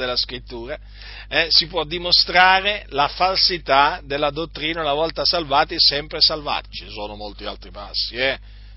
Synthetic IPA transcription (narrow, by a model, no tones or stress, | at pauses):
d̪elːaskɾit̪ːuːɾa | ɛsipwɔd̪ːimost̪ɾaːɾelafalsit̪ad̪elːad̪ot̪ːɾiːnaunavɔlt̪asalvaːt̪isɛmpɾesalva̰t͡ʃisoːnomolt̪ia̰lt̪ɾipa̰sːiɛ